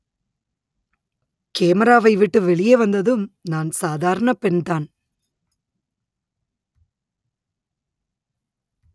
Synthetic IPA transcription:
keːmɐɾaːʋɐɪʋɪʈːɯʋɛɭɪjeʋɐnd̪ɐðɯmnaːnsaːðaːɾɐɳɐpɛɳd̪aːn

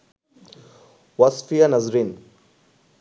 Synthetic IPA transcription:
wasfianɐzɾiːn

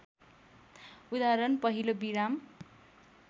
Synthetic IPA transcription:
ud̪aɾʌnpʌɦilobiɾam

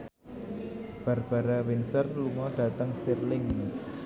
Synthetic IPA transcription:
b̥a̤rb̥aɾawɪnsərluŋɔɖ̥at̪əŋst̪irlɪŋ

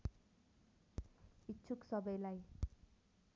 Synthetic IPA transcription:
itːt͡sʰuksʌbʌjlaj

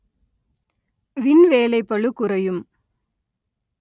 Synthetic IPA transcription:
ʋɪnʋeːlɐɪpːɐɭɯkːʊɾɐjɯm

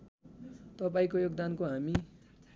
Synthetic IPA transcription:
t̪ʌpaĩkojoɡd̪ankoɦami

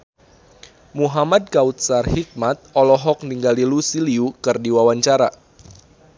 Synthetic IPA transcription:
muɦamad̚ɡaut̪̚sarhik̚mat̪̚ɔlɔɦɔk̚niŋɡalilusiliukɨrdiwawaɲt͡ʃaɾa

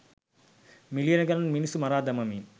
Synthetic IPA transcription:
milijɐnɐɡɐnɐnminisumɐɾaːd̪ɐmɐmi

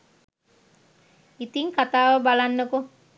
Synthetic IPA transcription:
it̪iŋkat̪aːʋəbalanːəko

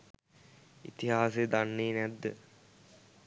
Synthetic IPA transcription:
ḭt̪iɦaːsed̪anːeːnæd̪ːə̰

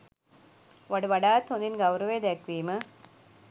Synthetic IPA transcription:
ʋɐɽɯʋɐɽaːt̪ːond̪inɡɐʋɾɐʋed̪ekʋiːmɐ

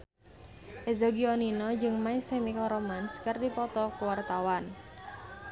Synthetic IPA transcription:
ʔezɔɡiɔninɔd͡ʒɨŋmaisemikɔɾomanskərdipɔt̪ɔkuwart̪awan

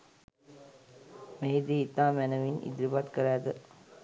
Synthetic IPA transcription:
meɦid̪iːt̪aːmɛnəʋinḭd̪ɾibat̪kəɾaːd̪ə

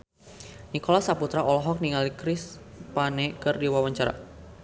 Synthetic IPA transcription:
nikɔlasaput̪ɾaʔɔlɔɦɔk̚niŋalikɾɪspanɛkɨrdiwawaɲt͡ʃaɾa̰

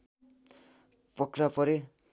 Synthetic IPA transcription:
pʌkɾapʌɾi

